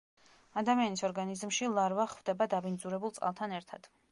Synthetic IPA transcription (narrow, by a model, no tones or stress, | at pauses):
ad̪amianisɔɾɡanizmʃilˠaɾvaχvd̪ɛbad̪abind̪zuɾɛbulˠt̪sʼqʼa̰lˠt̪ʰanɛɾt̪ʰad̪̥